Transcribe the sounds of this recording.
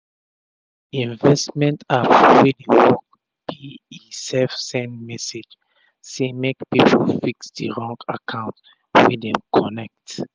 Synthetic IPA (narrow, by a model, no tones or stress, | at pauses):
ĩnvɛstmɛ̃ntapɹɔfidiwɔk̚ | biisɛfsɛ̃ndmɛsed͡ʒ | semekpipʰofiksdəɹɔ̃ŋkakʰãʊ̃nt | widɛ̃mkʰɔnɛk̚t